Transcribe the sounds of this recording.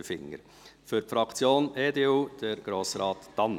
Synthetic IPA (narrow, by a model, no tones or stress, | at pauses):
əfɪ̰ŋːə̰ɾ | fʏɾfɾɑkt͡sjoːneːdeːuːd̥əɾɡ̥ɾoːsɾɑːt̪ːɑn